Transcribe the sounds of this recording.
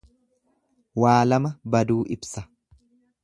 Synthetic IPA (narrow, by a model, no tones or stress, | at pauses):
waːlɐmɐbɐd̪uːʔɪbsɐ